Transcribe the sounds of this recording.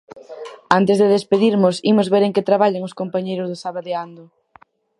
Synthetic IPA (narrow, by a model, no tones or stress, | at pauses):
ant̪ɪzðeðespeðiɾmʊsimʊzβeɾeŋkɪt̪ɾaβaʎaŋʊskompaɲejɾʊzðʊsaβaðeand̪ʊ